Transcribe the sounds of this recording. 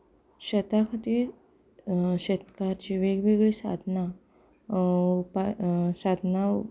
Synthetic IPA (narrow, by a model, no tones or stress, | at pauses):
ɕet̪akʰat̪i | ɕet̪kaɾt͡ɕiʋeɡʋeɡɭisa̰d̪ʱna | pasad̪ʱna